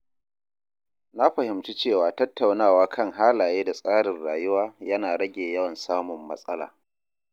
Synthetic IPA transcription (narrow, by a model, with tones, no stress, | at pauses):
na˦ɸɐ˨hɪ˨mt͡ʃi˦t͡ʃeː˦˨waː˨tɐ˦tːa˨wnaː˦˨waː˦kʰɐ˦˨ŋɦaː˦laː˨jeː˦da˨sʼaː˦ɽɪ˨nɽaː˨jʊ˦waː˦jɐ˦naː˨ɽɐ˦ɡʲeː˨jɐ˦wɐ˨nsaː˦mʊ˨mːɐ̰˦sʼɐ˦la̰ː˨